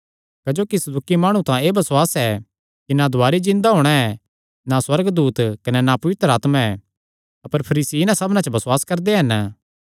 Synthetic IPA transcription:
kɐd͡ʒoːkisɐd̪ukimaːɽ̃ũt̪ãeːbɐswaːsɛ | kinad̪ʱʊaːɾid͡ʒɪ̃nd̪aɦoːɽ̃aɛ | naswɐɾɡd̪uːt̪kɐnɛnapɐʋɪt̪ɾəaːt̪mãɛ | ɐpəɾpʰɐɾiːsiɪnãsɐbnãt͡ʃbɐswaːskɐɾd̪eɦɐn

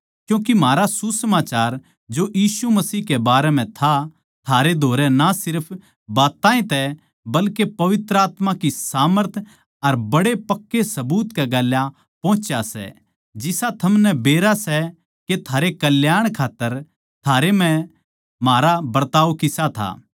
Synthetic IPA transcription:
kjũːkim̤aːɾasusɐmaːt͡ʃaːɾ | d͡ʒojiːsumɐsiːɦkebaːɾɛm̤ɛ̃t̪ʰa | t̪ʰaːɾed̪ʱoːɾɛnasɪɾpʰ | baːt̪ːaːẽt̪ɛ | bɐlkepɐʋɪt̪ɾəaːt̪mãkisaːməɾt̪ʰ | ɐɾbɐɽepɐkːesɐbuːt̪kɛɡaːlja | pɔ̃ːt͡ʃjasɛ̰ | d͡ʒɪsat̪ʰɐmnɛbeːɾasɛ | ket̪ʰaːɾekɐljaːɽ̃kʰaːt̪ːəɾ | t̪ʰaːɾem̤ɛ̃ | maːɾabɐɾt̪aːʋkɪsat̪ʰa̰ː

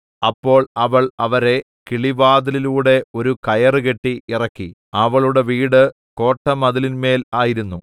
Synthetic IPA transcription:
ɐpːo̞ːɭɐʋɐɭɐʋɐɾe̞ | kiɭiʋaːðɐliluːɽe̞o̞ɾukɐjɐrɨke̞ʈːiirɐkːi | ɐʋɐɭuɽe̞ʋiːɽɨ | ko̞ːʈːɐmɐðɐlinme̞ːlaːjiɾunːu

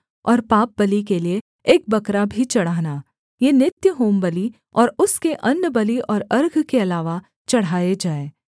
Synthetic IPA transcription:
ɔːɾpaːp̚bɐlik̬elieː | k̚bɐkɾabʱit͡ʃɐɽ̤aːɦnaː | jenɪt̪jəɦoːmbəli | ɔːɾʊskeʔɐnːəbɐliʔɔːɾɐɾɡʱkeɐlaːʋa | t͡ʃɐɽ̤ɦaːed͡ʒaːeː

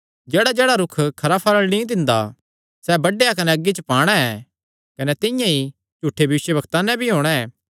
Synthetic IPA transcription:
d͡ʒɛːɽad͡ʒɛːɽaɾʊkʰkʰɐɾapʰaːɾəɽ̃lĩd̪ɪ̃nd̪a | sɛbɐɖːejakɐnɛɐɡːit͡ʃəpaːɽ̃aɛː | kɐnɛt̪ɪ̃jãi | d͡ʒuːʈʰːebʱjɐʋɪʃjəbɐkt̪anɛ̃bʱiɦoːɽ̃ɛɛː

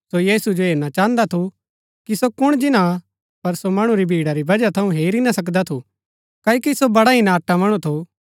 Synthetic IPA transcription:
sojiːsud͡ʒoɦeːɾnat͡ʃãːnd̪at̪ʰu | kisokʊɽ̃d͡ʒɪnã | pɐɾsomɐɽ̃ũɾibʱiːɽaɾibɐd͡ʒat̪ʰɐũɦeːɾinasɐkd̪at̪ʰu | kaːokisobɐɽaɦinaːʈːamɐɽ̃ũt̪ʰu

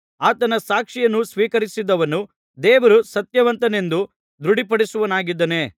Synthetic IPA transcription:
aːt̪ɐnɐsaːkʂijɐnːusʋiːkɐɾisid̪ɐʋɐnu | d̪ɛːʋɐɾusɐt̪jɐʋɐnt̪ɐne̞nd̪u | d̪ɾuɽipɐɽisuʋɐnaːɡid̪ːɐne̞ː

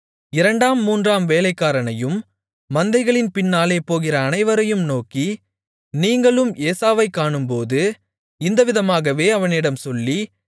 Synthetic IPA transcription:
ɪɾɐɳɖaːmːuːndraːmʋeːlɐɪkːaːɾɐnɐjɯmː | ɐnd̪ɐɪɣɐɭɪnpɪnːaːleːpoːɣɪrɐːnɐɪʋɐɾɐjɯmnoːki | niːŋɡɐɭɯmeːsaːʋɐɪkːaːɳɯmpoːðɯ | ɪnd̪ɐʋɪðɐmaːɣɐʋeːɐʋɐnɪɽɐmsɔlːi

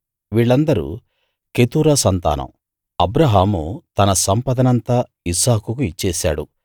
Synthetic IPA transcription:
ʋiːɭːɐnd̪ɐɾṵ | ket̪uːɾɐsɐnt̪a̰ːnɐ̰m | ɐbɾɐɦaːmut̪ɐnɐsɐmpɐd̪ɐnɐnt̪aː | isaːkukuit͡ʃːɛːsa̰ːɽṵ

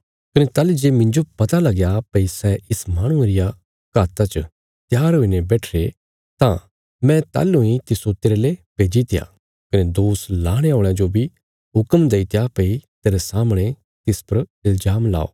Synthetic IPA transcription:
kɐnet̪aːlid͡ʒeːmɪ̃ɲd͡ʒopɐt̪alɐɡjapɐisɛɪsmaːɽ̃ʊ̃eɾɪja | kaːt̪at͡ʃɐ | t̪jaːɾɦoːinebɛːʈʰɾe | t̪ã | mɛ̃t̪a̰ːlʊ̃ĩt̪ɪsot̪ɪːɾelepeːd͡ʒit̪ɪja̰ | kɐned̪oːslaːɽ̃eoːɽ̃ãd͡ʒobʱi | ɦʊkəmd̪eit̪japɐit̪eːɾesaːmɽ̃e | t̪ɪspɐɾɪlzaːmla̰ːo̰ː

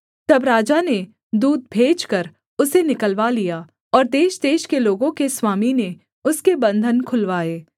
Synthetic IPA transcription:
t̪ɐbɾaːd͡ʒane | d̪uːd̪̚bʱeːd͡ʒkəɾ | ʊsenɪkəlʋalijaː | ɔːɾd̪eːʃd̪eːʃkeloːɡõkeswaːmine | ʊskebɐ̃nd̪ʱənkʰʊlʋaːeː

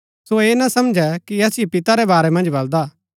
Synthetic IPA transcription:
soeːnɐsɐmd͡ʒɛkiɐsiepɪt̪aɾɛbaːɾɛmɐ̃nd͡ʒbɐld̪aː

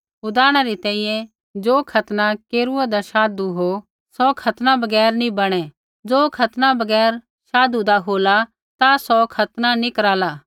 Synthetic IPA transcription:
ʊd̪aːɽ̃aɾit̪ɛ̃ːĩjɛ̃ | d͡zoːkʰɐt̪nakeːɾuad̪aʃaːd̪uɦo | sɔkʰɐt̪nãbɐɡɛːɾnĩbɐɽ̃ɛ | d͡zoːkʰɐt̪nabɐɡɛːɾ | ʃaːd̪ud̪aɦoːla | t̪asɔkʰɐt̪nanĩkɐɾaːlaː

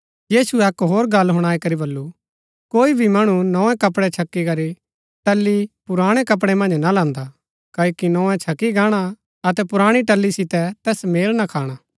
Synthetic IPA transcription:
jiːsuɛkɦoːɾɡɐlɦʊɽ̃aːikɐɾibɐlːu | koːibʱimɐɽ̃unɔ̃ːɛ̃kɐpɽɛt͡ʃʰɐkːikɐɾi | ʈɐlːipʊɾaːɽ̃ɛkɐp̬ɽ̃ɛmɐ̃nd͡ʒnalãːnd̪a | kɐːjokinɔ̃ːɛ̃t͡ʃʰɐkːiɡaːɽ̃a | ɐt̪ɛpʊɾaːɽ̃iʈɐlːisɪt̪ɛt̪ɛːsmeːlnakʰaːɽ̃aː

